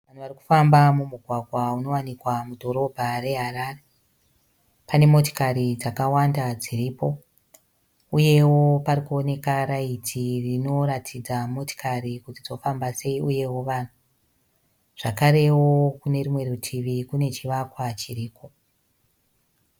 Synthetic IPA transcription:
ʋan̤uʋariku̥fambamumuɡʱwaɡʱwauno̞wanikwamudʱo̞ɾo̞bʱare̞ɦaɾare | pane̞mo̞to̥kaɾid͡zakawandad͡ziɾiːpo̞ | uje̞wo̞paɾikuone̞kaɾaitʰirino̞ɾatʰid͡zamo̞ti̥kaɾikutid͡zo̞fambase̞iuje̞wo̞ʋan̤u | ʐ̥akaɾe̞wo̞kune̞rimwe̞rutʰiʋikune̞t͡ʃiʋakwat͡ʃiriːko̞

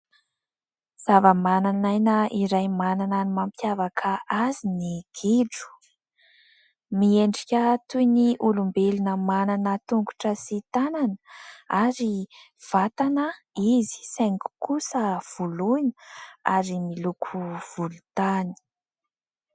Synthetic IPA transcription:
z̥avəmananajnəʔiɾajmanananimampjavakʰəaziniɡ̥eɖ͡ʐu̥ | mieɳɖ͡ʐikʲət̪ujniʔulumbelunəmananət̪uŋɡu̥ʈ͡ʂəsit̪ananaɾi | v̥at̪anə | izi̥seŋku̥kusəv̥ulujnəa̰ɾimilukʰuv̥ulut̪ani̥

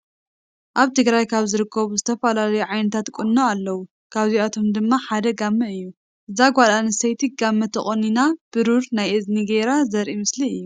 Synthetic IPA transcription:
ʔaβt̪ʰɨɡɾajkʰaβzɨɾɨkʰːɐβuzɨt̪ʰɐfɐlalɐjuʕajnɐt̪ʰat̪kʼunːoalːɐwu | kʰaβziat̪ʰo̞md̪ɨmːaħad̪ɐɡamːɐɨjːu | ʔɨzaɡʷalanɨsɐjt̪ʰiɡamːɐt̪ʰɐχʼoninab̥ɨɾuɾnajʔɨzniɡeɾazɐɾʔimɨsliɨjːu

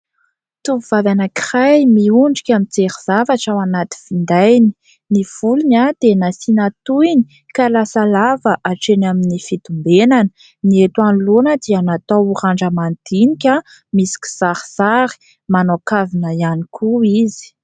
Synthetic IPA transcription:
t̪uvuvavanəkirajmiuɳɖ͡ʐikʲamint͡seɾiz̥avaʈ͡ʂawanat̪i̥v̥ind̪ajni̥ | niv̥ulinad̪̥enasinat̪uini̥ | kalasalavəʔaʈ͡ʂenaminifit̪umbenanə̥ | niet̪wanlonəd̪eanat̪awuɾaɳɖ͡ʐəmand̪inikʲa | misi̥kʲi̥z̥aɾiz̥aɾi̥ | manokavinəianikʰuizi̥

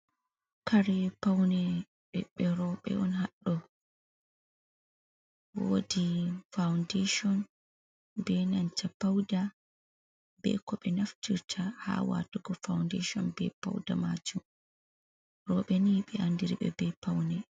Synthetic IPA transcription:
kaɾɛpawnɛ | ɓɛ̰ɓɛɾɔɓɛ̰ɔnhaɗːɔ | wo̰difawndeʃɔn | bɛnaɲt͡ʃapawda | bɛ̰kɔɓɛnaftiɾtʰaha̰wa̰tuɡɔfawndeʃɔnbɛ̰pa̰wdamat͡ʃum | ɾɔɓɛniɓɛandiɾiɓɛ̰bɛpawnɛ

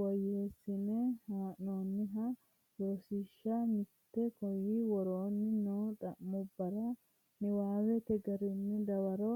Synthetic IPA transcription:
wɔjeːsːɪnɛhaːʔnoːnːɪɦɐ | jɔɾsɪʃːamɪt̪ːɛkɔjiwɔɾoːnːɪnoːᶑ̪ɐʔmːʊbːɐɾɐ | nɪwaːwɛkɛɡɐɾɪnːɪd̪ɐwɐɾo

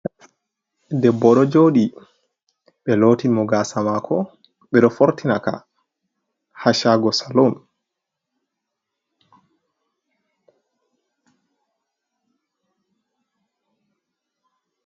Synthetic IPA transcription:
dɛbːɔɗɔd͡ʒoːɗi | ɓɛloːtimɔɡaːsamakʰɔ | ɓɛɗɔfoɾtinaka̰ | haʃaɡɔsalon

